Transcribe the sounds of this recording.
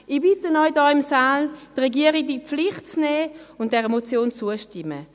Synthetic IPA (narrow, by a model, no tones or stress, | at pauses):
ibɪtənɔʏdɑːɪmsaːld̥ʁɛɡiəʁiɡ̚dipp͡flɪχtt͡snɛːʊnt̚d̥ɛʁəmot͡sjoːnt͡suəʃtɪmə̰